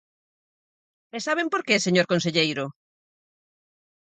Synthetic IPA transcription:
esaβ̞empoɾkeseɲoɾkons̬eʎejɾʊ

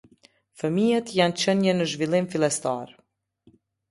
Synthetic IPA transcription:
fəmijat̪jant͡ɕənjɛnəʒvilˠimfilˠɛst̪a̰ɾ

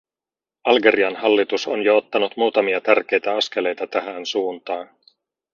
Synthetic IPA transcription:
ɑlɡe̞ɾiɑnɦɑlːit̪uso̞njoot̪ːɑnut̪muːt̪ɑmiɑt̪ærk̟e̞jt̪æɑsk̟e̞le̞jt̪ɑt̪æɦænsuːnt̪ɑːn

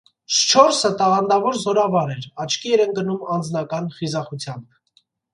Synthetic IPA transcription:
ʃt͡ʃʰɔɾsət̪ɑʁɑnd̪ɑvɔɾzɔɾɑvɑɾɛɾɑt͡ʃʰkiɛɾɛnɡənumɑnd͡znɑkɑnχizɑχut͡sʰjɑmb

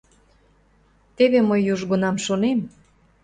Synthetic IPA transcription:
t̪eβemojːuʒɣonɑmʃonem

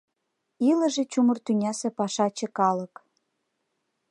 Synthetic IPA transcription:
ilə̆ʒĕt͡ɕumərt̪ynʲɑsĕpɑʃɑt͡ɕekɑlək

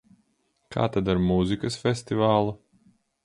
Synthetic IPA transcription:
kʰa̰ːt̪ad̪aɾmuzikɐsfʲest̪ivaːlˠu

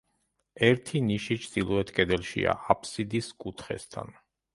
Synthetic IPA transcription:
ɛɾt̪ʰiniʃit͡ʃʰd̪̥ilˠɔɛt̪ʰkʼɛd̪ɛlʃḭa̰ʔapʰsid̪iskʼut̪ʰχɛ̰st̪ʰa̰n

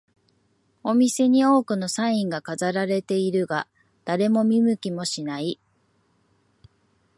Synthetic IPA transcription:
o̞mʲise̞ɲ̟io̞ːkɯ̟no̞sãĩŋɡakazaɾaɾe̞t̪e̞iɾɯ̟ɡa | d̪̥aɾe̞mo̞mʲimɯ̟kʲimo̞ɕinai

